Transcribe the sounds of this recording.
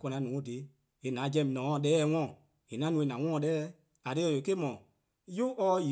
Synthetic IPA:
kɔ˧nã˧˦nũː˨˦o˦˨de˨˦ | e˨nãː˨˦d͡ʒɛ̃˧˨m˨nɔ̃ː˨˦˨ɗɛː˦ɛ˦˧˦ŋɔ̃˦˨ | e˨nã˨˦nũː˨˧e˨nã˨ŋɔ̃˦ɔ̃˧˦ɗɛː˦ | a˨de˦˨o˨˦ke˦mɔ̃˨ | jo˦ʔɔ˧˦ji˨

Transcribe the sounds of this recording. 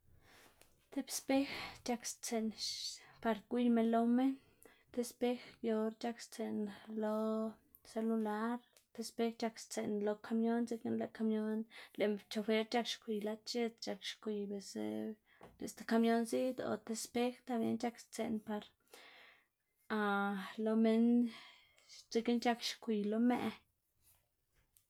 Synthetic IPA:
t̪e˧bspe˦xt͡ʃa˧kst͡se˧nʃpa˧ɾkʷi˦jme˧nlo˧me˦n | t̪e˧spe˦xjo˧ɾt͡ʃa˦kst͡se˧nlo˧ | se˧lu˧la˦ɾ | t̪e˧spe˧xt͡ʃa˧kst͡se˨nlo˧kʰa˧mjo˦nze˧ke˦nle˧ka˧mjo˦nle˨t͡ʃo˧fe˦ɾt͡ʃa˦kʃkʷi˨jla˧t͡ʃe˧t̪t͡ʃa˧kʃkʷi˧be˨sḛ˧ | lḛ˨st̪e˧ka˧mjo˦nzi˦d̪o̰˨t̪e˧spe˦xt̪a˧bjḛ˦nt͡ʃa˦kst͡se˧npa˧ɾ | a˧lo˧me˧n | t͡si˧ke˦nt͡ʃa˧kʃkʷi˨lo˧mḛ˧

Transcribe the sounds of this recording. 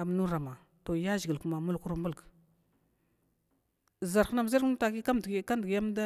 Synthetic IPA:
a˨m˦nu˦ɾa˨ma˨ | to˨ja˦zɡi˨ku˦ma˨mu˦lku˦ɾmu˦lk | za˨ɾxna˦m˨za˦ɾta˨ki˦ka˦mdka˦ndɡja˦m˦da˦

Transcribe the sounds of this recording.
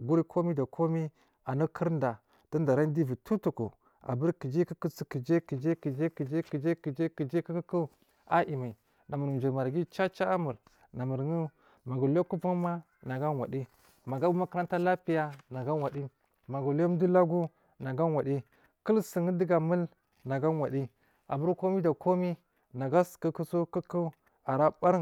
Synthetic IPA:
ɡu˦ɾi˦kʰo˦mi˦da˨kʰo˦mi˦ | a˨nu˦kʰə˦ɾnda˨ | d̥a˦n˦da˨ɾa˦n˦di˦vi˨tʰu˦tu˨kṵ˨ | a̰˨bə˦ɾki˨d͡ʒi˦kə˦kə˦t͡si˨ki˨d͡ʒe˦ki˨d͡ʒe˦ki˨d͡ʒe˦ki˨d͡ʒe˦ki˨d͡ʒe˦ki˨d͡ʒe˦ki˨d͡ʒe˦ki˦kə˦ku˦ | a˦ʔi˨ma˨i˨ | na˨mu˨ɾd͡ʒi˨ɾma˨ɾɡi˦t͡ʃa˦t͡ʃa˦a˦mu˨ɾ | na˨mə˨ɾŋu˦ | ma˨ɡu˨lo˦ku˦pu˦ma˦ | na˨ɡa˦nwa̰˨di˦ | ma˨ɡa˦bu˦ma˦kə˦ɾa˦nta˦la˦pi˨ja˦na˨ɡa˦wa˨di˦ | ma˨ɡu˨lo˦m˦du˦la˦ɡu˦ | na˨ɡa˦nwa˨di˦ | kə˦lsə˨ŋə˦di˦ɡa˨mə˦l | na˨ɡa˦nwa˨di˦ | a̰˨bu˦ɾko˦mi˦da˨ko˦mi˦ | na˨ɡa˦skə˦ku˦so˦kə˦kə˦ | a˨ɾa˦ba˦ɾ

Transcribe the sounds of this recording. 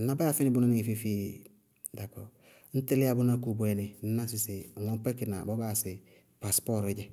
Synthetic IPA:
n̩˦na˦ba˦a˦˨fɪ˦nɪ˦bʊ˦na˦nɪ˦ŋi˨fi˦fi˦ | da˨kɔ˨ | n̩˦tɪ˦lɪ˦a˦bʊ˦na˦ku˨bwɛ˨˦nɪ˨n̩˦na˦sɪ˨sɪ˨ŋɔ˦pɛ˦kɪ˨na̰˨bɔ˦ba˦˨sɪ˨ | pa˨spɔ˦ɾɪ˨˦ɟɪ˦

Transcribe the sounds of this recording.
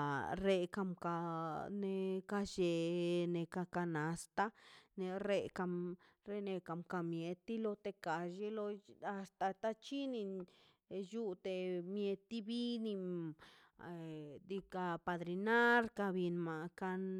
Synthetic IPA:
ɾe˧ka˧mka˧ne˧ka˧ʃe˧˨ne˧ka˧ka˧na˨st̪a˦ne˧ɾe˧ka˧ | ɾe˧ne˧ka˧mka˧mje˧t̪ːi˦lo˧t̪e˧ka˨ʃe˦lo˧a˧st̪a˨t̪a˦t͡ʃi˦ni˧ | ju˦t̪e˧mje˧t̪ːi˦bi˦ni˧ | d̪i˧ka˧pa˧d̪ɾi˧na˦ɾka˧bi˧nma˨ka˧n

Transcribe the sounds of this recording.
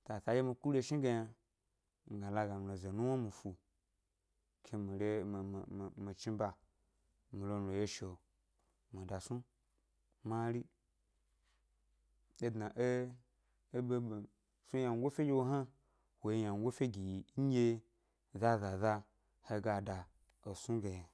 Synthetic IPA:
ta˨sa˨˦je˦mi˧ku˦ɾʲe˦˧ʃi˦ɡa˧ja˧ | ŋ̩˨ɡa˨la˧ɡa˨m˨lo˨ze˨nu˦wa˦mi˨fu˨ | kʰe˧mi˨ɾe˦˨mi˨t͡ʃi˦ba˨ | mi˨lo˧˨lo˨je˦ʃo˨ | mi˨da˨su˦ | ma˦ɾi˦ | e˦dna˨ʔe˦ | be˦˨ | su˦ja˨ŋ˦ɡo˦fe˦ɡʲe˦wo˦ɦa˦ | wo˨je˦ja˨ŋ˦ɡʷo˦fe˦ɡi˨jɲ̩ʲ˦e˦ | za˦za˨za˦ | he˧˦ɡa˨da˨ | o˨su˦ɡe˨ja˨

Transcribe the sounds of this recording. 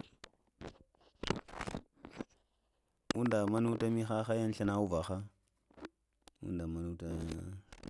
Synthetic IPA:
u˦nda˨ma˦nu˦ta˦mi˦xa˦xa˦ja˦n˦ɬa˦na˦u˦va˨xa˦ | ṵ˦nda˨ma˨nu˦ta˦

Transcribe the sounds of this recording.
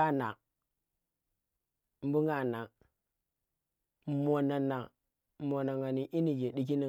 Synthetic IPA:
a˦na˨ | m˦bu˦ŋa˨na˨ | mo˨na˨na˨ | mo˨na˨ŋa˨ni˨ʔi˦ni˨d͡ʒe˨di˦k̬i˦ni˨

